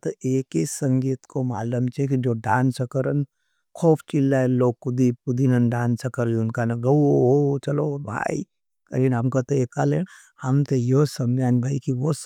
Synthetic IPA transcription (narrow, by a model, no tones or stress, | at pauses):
t̪oeːkisɐ̃ŋɡiːt̪komaːləmt͡ʃʰekid͡ʒoːɖaːnsɐkəɾən | kʰoːpʰt͡ʃilːaeloːɡ̚kːʊd̪ipud̪inɐnɖaːnsɐkəɾliʊnkanɐɡɐɦoːt͡ʃɐloːbʱa̰ːḭ | kɐɾiːnɦɐmkot̪oeːkaleːn | hɐmt̪ejosɐmd͡ʒaːnbʱaikiʋos